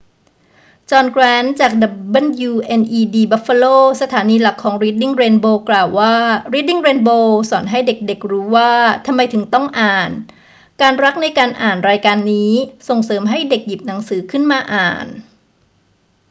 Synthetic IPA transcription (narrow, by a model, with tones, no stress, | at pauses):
t͡ɕɔː˧nkɾɛː˦˥nt͡ɕaː˨˩k̚da˨˩bɤ˥˩njuː˧ʔe˧nʔiː˧diː˧ba˦˥fa˧loː˥˩sa˧t̪ʰaː˩˦niː˧la˨˩kʰːɔː˩˦ŋɾiː˦˥t̪̚di˥˩ŋɾeː˧nboː˧klaː˨˩wːaː˥˩ɾiː˦˥t̚di˥˩ŋɾeː˧nboː˧sɔː˩˦nɦa˥˩jde˨˩k̚de˨˩k̚ɾuː˦˥waː˥˩t̪ʰa˧mːa˧jt̪ʰɯ˩˦ŋt̪ɔ˥˩ŋʔaː˨˩n | kaː˧nɾa˦˥k̚na˧jkaː˧nʔaː˨˩nɾaː˧jkaː˧nːiː˦˥so˨˩ŋsɤː˩˦mɦa˥˩jde˨˩k̚ji˨˩p̚na˩˦ŋsɯː˩˦kʰɯ˥˩nmaː˧ʔaː˨˩n